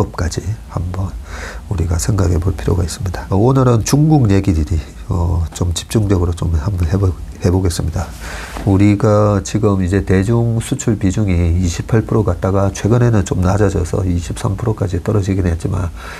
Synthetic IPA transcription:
ʌp̚k͈ad͡ʑihambʌnuɾiɡasʰe̞ŋɡaɡe̞boɭpʰiɾjoɡais͈ɯmɲidaonɯɾɯnt͡ɕuŋɡuŋɲe̞ɡidɯɾi | ʌt͡ɕomt͡ɕi̥p̚t͡ɕ͈uŋd͡ʑʌɡɯɾot͡ɕomhambʌnhehe̞boɡe̞s͈ɯmɲida | uɾiɡat͡ɕiɡɯmid͡ʑe̞te̞d͡ʑuŋsʰut͡ɕʰuɭpid͡ʑuŋiːɕʰipʰaɭpʰɯɾoɡat̚t͈aɡat͡ɕʰwe̞ɡɯne̞nɯnt͡ɕomnad͡ʑad͡ʑʌsʰʌ̰iɕʰip̚s͈ampʰɯɾok͈ad͡ʑit͈ʌɾʌd͡ʑiɡenet̚t͡ɕ͈ima̰n

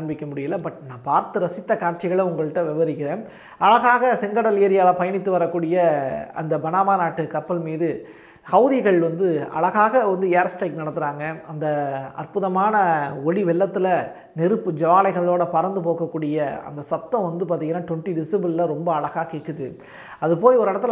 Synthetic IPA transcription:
ɐɳbɪkʲːɐmʊɽɪjɪlːɐbɐʈnãːpaːɾt̪ɯɾɐsɪt̪ːɐkaːɾʈ̚t͡ʃɪɣɐɭɐʊŋɡɐɭɯʈːɐ̃ʋɪʋɐɾɪkːɪɾẽː | ɐɭɐɣaːɣɐsɪŋɡɐɽɐlɪjɐɾɪjaːlɐpɐjɐnɪt̪ːɯʋɐɾɐkːuːɽɪjɐɐ̰nd̪ɐbɐnaːmaːnaːʈːɯkɐpːɐlmiːðɯ | hɐʊðɪɣɐɭʋɐnd̪ɯɐ̰ɭɐɣaːɣɐʋɐnd̪ɯeːɾsʈɐɪknɐɽɐnɯɾaːŋɡɐɐnd̪ɐɐ̰rpɯðɐmaːnɐɔɻiʋɛɭːɐt̪ːɪlɐ | nɛɾɯpːɯd͡ʒɐʋaːlɐɪɣɐɭoːɽɐpɐɾɐnd̪ɯpoːkɐkːuːɽɪjɐɐ̰nd̪ɐsɐt̪ːɐ̃ʋɐnd̪ɯpaːɾt̪iːŋɡɐnːaːʈɔɳʈːiɖɪsɪbɯllɐɾɔmbɐɐɭɐɣaːkɪkːɯðɯ | ɐðɯpoːjɔɾɯɛɽɐt̪ːɪl

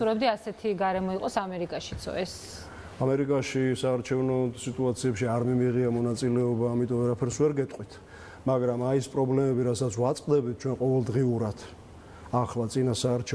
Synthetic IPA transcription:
uɾɛbd̪iasɛt̪ʰiɡaɾɛmɔiqʼɔsamɛɾikʼaʃi̥t̪sʰɔ̰ɛs | amɛɾikʼaʃisaːɾt͡ʃʰɛvnɔsit̪ʼuat̪sʰiɛpʃiaɾmimiʁiamɔnat̪sʼilɛɔbaːmit̪ʼɔvɛɾapʰɛɾsvɛɾɡɛt̪ʼqʼwit̪ʰ | maɡɾamaispʼɾɔblɛmɛbiɾatsat̪sʰwat̪sʼqʼd̪ɛbit̪̚t͡ʃʰwɛnqʼɔvɛlˠd̪ʁiuɾat̪ʰ | aχlˠat̪sʼinasaːɾt͡ʃʰɛ

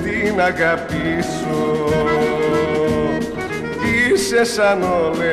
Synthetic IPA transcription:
d̪inakapis | o | kisesanole

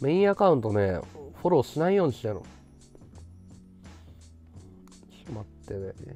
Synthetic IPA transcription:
me̞ĩɰakaɯ̟̃nt̪o̞neɸo̞ɾo̞ːɕinaijo̞ːɲ̟iɕi̥ano̰ | ɕimat̪ːed̪e

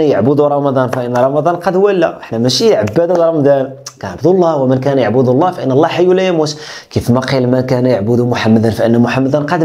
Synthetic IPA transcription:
jəʕbʊd̪uɾˤɑmɑd̪ˤɑnfiʔənːɾˤɑmɑd̪ˤɑnqɑd̪wælːæ̰ʔəħnæmæʃiʕabːæd̪ud̪ɾˤɑmd̪ɑnkænaʕbd̪ulˤːɑwəmənkænjəʕbʊd̪ulˤːɑfiʔənːəlˤːɑħajulæjæmut̪kifmɑqilmənkænjaʕbʊd̪umʊħamːəd̪ənfiʔənːmʊħamːəd̪ənqɑd̪

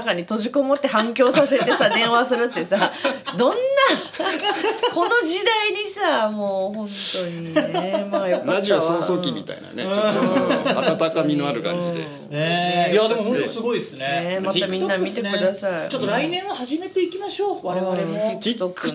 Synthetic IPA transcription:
kaɲ̟it̪o̞ʑiko̞mot̪ːe̞ɦãŋkʲo̞ːsase̞t̪e̞sad̪ẽ̞ɰ̃βasɨɾɯ̟t̪ːe̞sad̪õ̞nːa | ko̞no̞d͡ʑid̪aiɲ̟isamoːhõ̞nt̪o̞ɲimajapːɾaʑiasoːsoːkʲimʲḭt̪a̰ina̰nḛo | aat̪akamʲino̞aɾɯ̟ka̰ɲd͡ʑid̪ḛ | jad̪e̞mohonosɨɡoisɨneemat̪amʲĩnːamʲit̪ekɯ̟d̪asait͡ɕot̪ːoɾainẽ̞ahaʑime̞t̪e̞ikʲimaɕo̞ːβaɾeβaɾeok

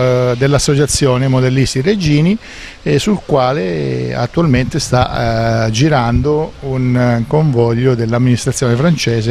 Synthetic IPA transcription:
d̪elːasːot͡ʃat̪sːjɔːnemod̪elːist̪ired͡ʒiːni | sulkwaːlea̰t̪ːualment̪est̪a | d͡ʒiɾand̪ounkoɱvɔʎːod̪elːamːinist̪ɾat̪sjɔːnefɾant͡ʃɛːs̬e

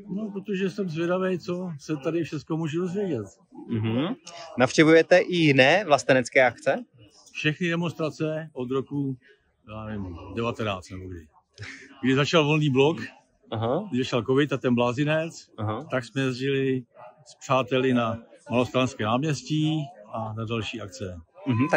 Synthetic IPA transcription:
nopɾot̪oʒɛsɛmzvjɛdavɛjt͡so̞sɛt̪adɪfʃɛt͡skomuːʒɛdozvjɛɟɛt̪ | m̩ɦ̩nafʃcɛvujɛt̪ɛʔɪjɪnɛːvlast̪ɛnɛt͡skɛːʔakt͡sɛ | fʃɛxnɪdɛmo̞nst̪ɾat͡sɛod̪ɾoku | jaːnɛvɪmdɛvat̪ɛnaːt͡st̪nɛboɡdɪ̰ | ɡdɪzat͡ʃalvo̞lniːblo̞k | ʔaɦaɪzat͡ʃalkovɪt̪at̪ɛnblaːzɪnɛt͡saɦat̪aksmɛjɛzʒɪlɪspr̝̥aːt̪ɛlɪnamalost̪ɾanskɛːnaːmɲɛscianadalʃiːʔak̚t͡sɛm̩ɦ̩̪

